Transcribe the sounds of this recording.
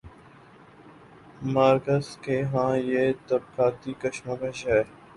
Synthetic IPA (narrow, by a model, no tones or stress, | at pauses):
maːɾkəzkeɦãːjeːt̪əb̚kʰaːt̪ikəʃməkəʃɦɛː